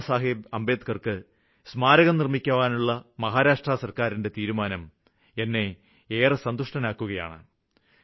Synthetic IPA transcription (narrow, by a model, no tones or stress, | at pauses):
saːɦibɐmbe̞ːt̪kɐrkɨ | smaːɾɐɣɐmnirmikʲːɐʋaːnuɭːɐmɐɦaːɾaːʂʈrasɐrkaːɾinde̞t̪iːɾumaːnɐm | e̞nːe̞ | eːrɨsɐnd̪uʂʈɐnaːkːuɣɐja̰ːɳɨ̰